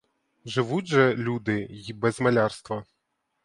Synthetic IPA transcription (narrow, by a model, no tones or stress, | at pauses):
ʐɨʋud͡zʲʐɛlʲud̪ɨbɛzmalʲarst̪ʋɐ